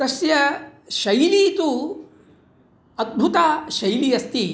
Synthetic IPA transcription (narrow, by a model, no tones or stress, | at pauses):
ɐsjɐʃɐjliːt̪u | ɐd̪̚bʱut̪aːʃɐjlijɐst̪i